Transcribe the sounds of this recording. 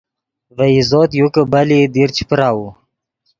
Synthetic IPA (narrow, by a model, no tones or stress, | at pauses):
vəizoːt̪jukəbalid̪iɾt͡ɕi̥pɾaːwu